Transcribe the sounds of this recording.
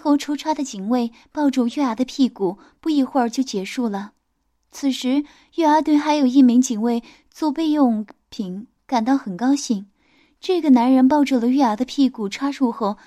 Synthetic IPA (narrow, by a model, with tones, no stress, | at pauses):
xo˥˩ʊʈ͡ʂʰu˥ʈ͡ʂʰwa˥d̪ə˨t͡ɕi˨˩ŋwe˥˩ɪ | pɑ˥˧ʊʈ͡ʂu˥˧ɥɛ˥˧a˧˥d̪ə˧pʰi˥˩ku˨˩ | pu˥˧i˥˧xwə˞˥˧t͡ɕjo˥˩ʊt͡ɕjɛ˧˥ʂu˥˩lə˩ | t͡sʰɹ̩˨˩ʂɻ̩˧˥ | ɥɛ˥˩a˞˧˥t̪̬we˥˩ɪxa˧˥ɪjo˨˩ʊi˥˩mi˧˥ŋt͡ɕi˨˩ŋwe˥˧ɪ | t͡swɔ˥˧pe˥˧ɪjʊ˥˩ŋpʰi˧˩ŋ | ka˨˩nt̪ɑ˥˩ʊxə˨˩nkɑ˥ʊɕi˥˩ŋ | ʈ͡ʂɤ˥˩ɡə˩na˧˥nɻə˧˥np̬ɑ˥˧ʊʈ͡ʂu˥˩lə˩ɥɛ˥˩a˧˥d̪ə˧pʰi˥˩ku˨˩ʈ͡ʂʰwa˥ʂu˥˧xo˥˩